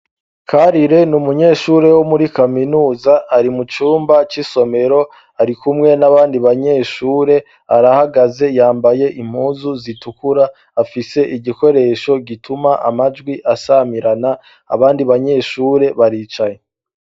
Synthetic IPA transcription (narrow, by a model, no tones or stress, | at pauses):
kʰaɾiɾe̞numuɲe̞ːʃuːɾe̞wo̞muɾikaminuːzaːɾimut͡ʃuːmbat͡ʃiso̞me̞ɾo̞ | aɾikumŋe̞naβaːndiβaɲe̞ːʃuːɾe̞ | aɾahaɡaze̞jaːmbaje̞ʔim̥huːzuzitukuɾaː | fise̞ʔiɟiko̞ɾe̞ːʃo̞ɡitumaʔa̰mad͡ʒɡwiʔasamiɾana̰ː | βaːndiβaɲe̞ːʃuːɾe̞βaɾiːt͡ʃaje